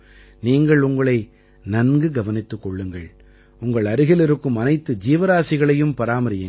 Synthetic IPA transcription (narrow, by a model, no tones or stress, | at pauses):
niːŋɡɐɭʊŋɡɐɭɐɪ | nɐnɡɯɡɐʋɐnɪt̪ːɯkːɔɭːɯŋɡɐɭ | ʊŋɡɐɭɐɾɯɣɪlɪɾɯkːɯmɐnɐɪt̪ːɯd͡ʒiːʋɐɾaːsɪɣɐɭɐjɯmpɐɾaːmɐɾɪjɯ